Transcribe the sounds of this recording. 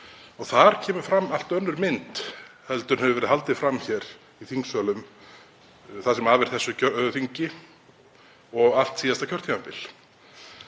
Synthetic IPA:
ɔɣθaɾ̥cʰɛːmʏ̥fɾamːal̥t̪œnːʏɾmɪnt̪hɛlt̪ʏnhɛvʏvɛɾɪhalt̪ɪfɾamːçɛːɾ | iθiŋksœːlʏm | θasɛmaːðvɪɾ̥θɛsːʏœœθiɲcɪ | ɔɣal̥t̪siːðast̪acʰœɾ̥t̪ʰimapɪl

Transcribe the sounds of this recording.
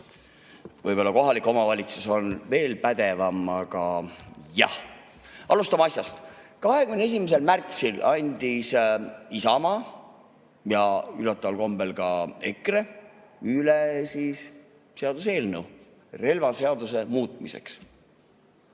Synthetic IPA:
vɤ̰jb̥o̞lːɑko̞ɦɑlikːˑo̞mɑvɑlʲit̪suso̞nve̞ːlpæd̪̥e̞vɑmɑɡɑjɑ̰h | ɑlust̪ɑmɑɑsʲjɑst̪ | kɑɦe̞kymne̞s̬ʲimese̞lmært̪silɑnʲd̪̥isisɑmɑ | jɑylɑt̪ːˑɑvɑlko̞mbe̞lkɑe̞̰kreylesis | se̞ɑd̪us̬e̞ːlnəw | re̞lvɑse̞ɑd̪̥use̞muːt̪̚ˑmise̞̰ks

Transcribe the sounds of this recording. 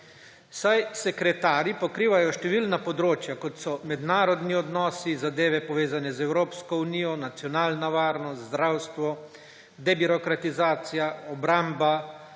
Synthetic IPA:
sajsɛkɾɛt̪aːɾipɔkɾiːʋajɔʃt̪ɛʋiːlnapɔd̪ɾoːt͡ʃjakɔt̪sɔmɛd̪naːɾɔd̪niɔd̪nɔːsizad̪eːʋɛpɔʋeːzanɛzɛwɾoːpskɔuniːjɔnat̪sjɔnaːlnaʋaːɾnɔst̪zd̪ɾawst̪ʋɔ | d̪ɛbiɾɔkɾat̪izaːt̪sijaɔbɾamba

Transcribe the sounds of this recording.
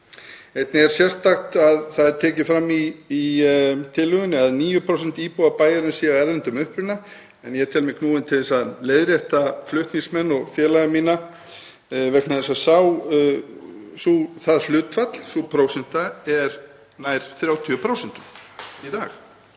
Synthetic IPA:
ejt̪nɪɛɾ̥sjɛrst̪akt̪aðθaðɾt̪ʰɛːcɪfɾamːi | t̪ʰɪlːʏɣʏnɪaðniːjʏpʰɾowsɛn̥t̪iːpuapaːjaɾnsiːɣaɛɾðɛnt̪ʏmʏhpɾʏna | ɛnjɛɛɾt̪ʰɛlmɛkʰnuːɪnt̪ʰɪlθɛsaðleːjðɾjɛht̪aflʏht̪niŋsmɛnːɔɣfjɛːlaɣmiːna | vɛknaðɛsaðsaw | suθaðflʏːt̪fat̪l̥supʰɾowsɛn̥t̪aɛɾ | naːjɾ̥θɾjaːwt̪ʰiʏpʰɾaːwsɛn̥t̪ʏɾ̥it̪aːx

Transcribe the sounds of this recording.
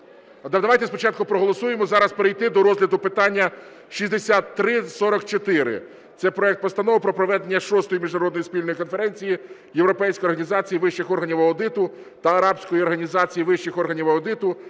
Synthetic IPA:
d̪d̪ɐʋɑjt̪ɛspɔt͡ʃɑt̪̚kʊpɾɔɦɔlˠɔsujemɔzɑɾɐspeɾɪjt̪ɪd̪ɔɾɔzʲlʲɐd̪ʊpɪt̪ɑnʲːɐ | ʃizʲd̪esʲat̪ːɾɪsɔɾɔkt͡ʃɔt̪ɪɾɪ̰ | t̪sɛpɾɔɛk̚t̪̚pɔst̪ɐnɔʋʊpɾɔpɾɔʋɛd̪enʲːɐʃɔst̪ɔjimʲiʒnɐɾɔd̪ɔjispʲilʲnɔjikɔnfeɾɛnʲt͡sʲiji | jewɾɔpɛjsʲkɔjɔɾrɦɐnʲizɑt͡sʲijiʋɪʃt͡ʃɪxɔrɦɐnʲiʋɐːd̪ɪt̪ʊ | t̪ɐɐɾɑbsʲkɔjiɔrɦɐnʲizɑt͡sʲijiʋɪʃt͡ʃɪxɔrɦɐnʲiʋɐːd̪ɪt̪ʊ

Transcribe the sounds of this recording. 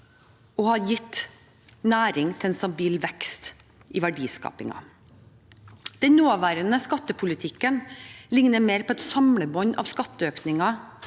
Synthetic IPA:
ɔhɑjɪt̪ː | næːɾɪŋt̪ʰɛlɛnst̪ɑbiːlʋɛkst̪ | ʔɪʋæɖiːskɑ̰ːpɪ̰ŋɑ̰ | d̪̥ɛnnoːʋæːɾənəskɑt̪ːəpʰʊlɪt̪ʰɪkːənlɪŋnəɾmeːɾpʰɔːɛt̪sɑmɽəbɔɲɑ̰ʋskɑt̪ːəøːknɪŋɑ

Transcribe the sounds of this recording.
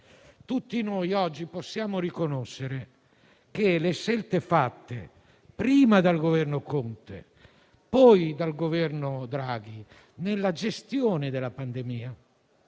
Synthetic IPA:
t̪ut̪ːinojɔd͡ʒːiposːjaːmoɾikonoʃːeɾe | k̟eleʃɛlt̪efat̪ːḛ | pɾiːmad̪alɡovɛrnokont̪ḛ | pɔjd̪alɡovɛrnod̪ɾaːɡ̟i | nelːad͡ʒest̪joːned̪elapand̪emiːa

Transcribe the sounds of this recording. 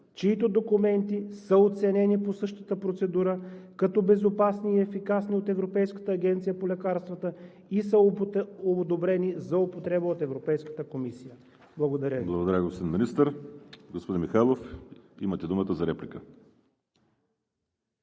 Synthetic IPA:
t͡ʃiːt̪od̪okumɛnt̪isəot̪sɛnɛniposɤʃt̪ə̥t̪əpɾot̪sɛd̪uɾəkɐt̪ɔbɛzopasniːɛfikasniot̪ɛvɾopɛjskə̥t̪əːɡʲɛnt̪sijəpolʲɛkaɾst̪vət̪ə | isəood̪obɾɛnizɐʊpot̪ɾɛbəot̪ɛvɾopɛjskə̥t̪əkomisijə | blˠɐɡod̪ɐɾʲəblˠɐɡod̪ɐɾʲəɡospod̪inminist̪əɾɡospod̪inmixajlˠofḭmət̪ɛd̪umət̪əzɐɾɛplʲikə

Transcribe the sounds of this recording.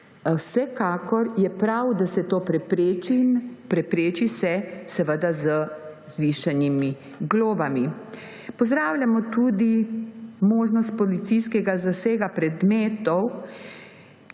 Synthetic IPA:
wsɛkaːkɔɾjɛpɾawd̪asɛt̪oːpɾɛpɾet͡ʃinpɾɛpɾeːt͡ʃisɛsɛʋəd̪azə | zʋiːʃanimi | ɡloːbami | pɔzd̪ɾaːwlʲjamɔt̪ud̪i | moːʒnɔst̪̚pɔlit̪sijskɛɡazaseːɡapɾɛd̪meːt̪ɔw

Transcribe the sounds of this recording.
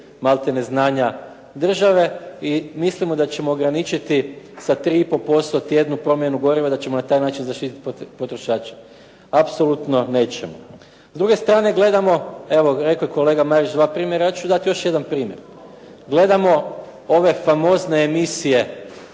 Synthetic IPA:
malˠt̪eneznaːɲa | d̪r̩ʒaʋe̞imislimo̞d̪at͡ɕe̞moːɡɾanit͡ʃit̪isat̪ɾiːipo̞lpo̞st̪ot̪je̞d̪nupɾo̞mje̞nuɡo̞ɾiʋed̪at͡ɕe̞mo̞nat̪aːjnaːt͡ʃinzaʃt̪it̪it̪̚ppo̞t̪ɾoʃaːt͡ʃe | apso̞lut̪no̞ne̞ːt͡ʃe̞mo̰ | zd̪ɾuɡe̞st̪ɾaːne̞ɡle̞d̪amo̞eʋoɾe̞kojeko̞le̞ːɡamaɾit͡ʃd̪ʋaːpɾiːmje̞ɾajat͡ʃud̪at̪ijo̞ʃje̞d̪anpɾiːmje̞̰ɾ | ɡle̞d̪amo̞ | o̞ʋe̞famo̞zne̞ːmisije̞

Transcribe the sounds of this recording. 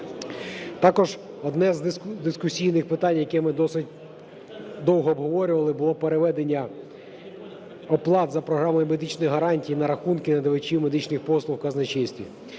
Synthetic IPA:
t̪ɑkɔʒ | ɔd̪nɛzd̪ɪskʊsʲijnɪxpɪt̪ɑnʲjɐkɛmɪd̪ɔsɪtʲ | d̪ɔwɦɔːbɦɔʋɔɾʲʊʋɐlˠɪbʊlˠɔpeɾeʋɛd̪enʲːɐ | ɔplˠɑt̪zɐpɾɔɦɾɑmɔjʊmed̪ɪt͡ʃnɔjɦɐɾɑnʲtʲijinɐɾɐxunkɪnɐd̪eʋet͡ʃʲiwmed̪ɪt͡ʃnɪxpɔslˠʊwkɐznɐt͡ʃisʲtʲi

